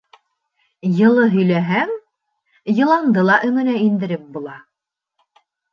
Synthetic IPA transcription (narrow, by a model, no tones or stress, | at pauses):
jɤ̆lˠɤɦɵ̆jlæɦæŋ | jɤ̆lˠɑnd̪ɤlˠɑʔɵ̆ŋɘ̆næind̪ɘ̆ɾɘp̚bulˠɑ